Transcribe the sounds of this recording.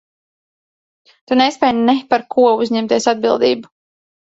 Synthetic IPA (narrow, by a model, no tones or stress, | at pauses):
t̪unespʲɛjnɛpaɾkʰuɔuzʲɲɛmt̪iɛsad̪̚bilˠd̪ḭːbu